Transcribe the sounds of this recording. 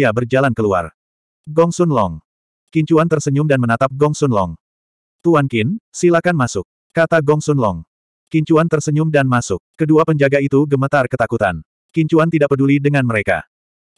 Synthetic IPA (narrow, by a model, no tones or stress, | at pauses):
abərd͡ʒalankəlua̰r | ɡɔŋsʊnlɔŋ | kiɲt͡ʃuant̪ərsəɲʊmdanmənat̪ap̚ɡɔŋsʊnlɔ̰ŋ | t̪uankɪnsilakanmasʊk̚ːat̪aɡɔŋsʊnlɔŋ | kiɲt͡ʃuant̪ərsəɲʊmdanmasʊkːəduapəɲd͡ʒaɡait̪uɡəmət̪arkət̪akut̪a̰n | kiɲt͡ʃuant̪idaʔ̚pədulidəŋanməɾeka̰